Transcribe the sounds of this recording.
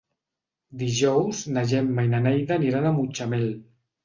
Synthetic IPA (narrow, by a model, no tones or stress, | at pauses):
d̪iʒɔwznaʒemːajnanɛjðaniɾanamut͡ʃamel